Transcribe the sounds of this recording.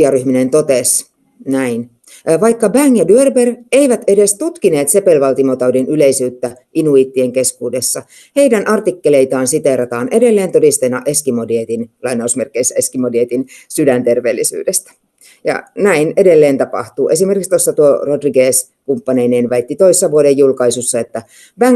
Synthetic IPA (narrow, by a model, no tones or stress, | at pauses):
ɑryhminent̪ot̪es | næin | ʋɑikːɑbæŋjɑdyørbereiʋæt̪e̞dest̪ut̪kine̞ːt̪se̞pelʋɑlt̪imot̪ɑudinyleisyːt̪ːæʔinuiːt̪ːieŋke̞skuːdesːɑ | heidænʔɑrt̪ikːeleit̪ɑːnsit̪eɾɑt̪ɑːne̞delːeːnt̪odist̪enːɑʔeskimodiet̪inlɑinɑusmerkːˑeisːæeskimodiet̪insydænt̪erʋḛːlːisy̰ːdest̪æ̥ | jɑ̰næinedelːeːnt̪ɑpɑ̰ht̪uːʔe̞simerkikst̪osːɑt̪uorodriɡeːs | kumpːɑneineːnʋæit̪ːit̪oisesːɑʋuodejjulkɑisusːɑet̪ːæ | b̥æŋ